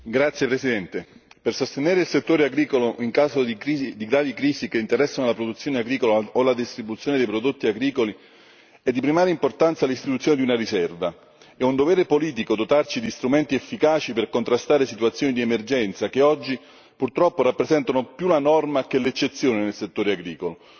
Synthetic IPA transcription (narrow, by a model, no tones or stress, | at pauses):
ɡɾat̪sːjepɾesid̪ɛnt̪epersost̪eneːɾeilset̪ːoːɾeaɡɾiːkoloʔiŋkaːzoiid̪iɡɾaːvikɾiːzikeint̪eɾɛsːanolapɾod̪ut̪sːjoːneaɡɾiːkolaolad̪ist̪ɾibut̪sːjoːned̪ejpɾod̪ot̪ːiaɡɾiːkoli | ɛd̪ːipɾimaːɾeimport̪ant̪salist̪it̪ut̪sjoːned̪iunarisɛrva | ɛund̪ovɛːɾepoliːt̪ikod̪ot̪art͡ʃid̪ist̪ɾument̪iefːikaːt͡ʃiperkont̪ɾast̪aːɾesit̪uat̪sːjoːnid̪iemerd͡ʒɛnt̪sakeɔd͡ʒːi | purt̪ɾɔpːoɾapːɾesɛnt̪anopjulanɔrmak̟elet͡ʃːet̪sːjoːnenelset̪ːoːɾeaɡɾiːkolo